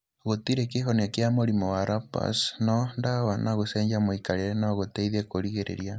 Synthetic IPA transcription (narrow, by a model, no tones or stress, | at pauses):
ɣotiɾekeɦɔniakeamoɾimɔwaɾʔapa̰snɔndawanaɣosɛːɲd͡ʒamoikaɾeɾɛnaɣotɛiðekoɾiɣeɾḛɾia